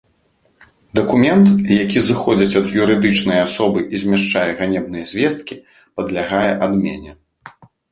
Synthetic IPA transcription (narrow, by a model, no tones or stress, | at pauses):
d̪ɐkumʲɛnt̪jakʲizɨxɔd͡zʲɐt͡sʲɐd̪juɾɨd̪ɨt͡ʂnɨjɐasɔbɨʔizʲmʲɛʂt͡ʂajɛɣanʲɛb̚nɨjɐzʲvʲɛst̪̚kʲi | pɐd̪lʲaɣajɛʔad̪mʲɛ̰nʲɛ